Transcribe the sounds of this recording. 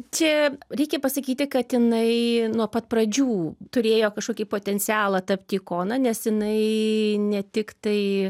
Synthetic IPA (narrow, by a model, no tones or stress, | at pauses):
t͡ʃʲɛɾʲɛɪkʲɛpɐsɐkʲiːt̪ʲɪkɐt̪jɪnɐɪnuɔpɐt̪̚prɐd͡ʒʲuːt̪ʊɾʲeːjoːkɐʃkoːkʲipoːt̪ʲɛnʲt͡sʲɪæːlˠɐt̪ɐpʲt̪ʲiːkoːnɐnʲɛsjɪnɐɪnʲɛt̪ʲɪkt̪ɐɪ